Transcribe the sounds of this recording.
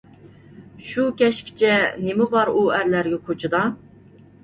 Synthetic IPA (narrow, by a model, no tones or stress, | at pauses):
ʃukʲʰɛʃkʲʰi̥t͡ʃʰɛnɪmɪbɑɾuæɾlæɾɡʲɛkʰot͡ʃʰɨd̪ɑ